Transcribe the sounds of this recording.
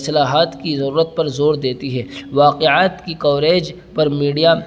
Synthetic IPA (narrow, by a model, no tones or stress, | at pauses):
sɐlaːɦaːt̪kizɐɾuːɾət̪̚pɐɾzoːɾd̪eːt̪iɦɛːʋaːqeaːt̪kikɔːɾeːd͡ʒ | pɐɾmiːɖija